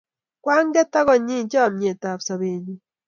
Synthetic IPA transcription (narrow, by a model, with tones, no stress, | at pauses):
kwaː˦ŋɡe˦ta˦ɣo˨ɲi˦ɲt͡ʃe˦a˨mɲe˨ta˨βsaβeːɲu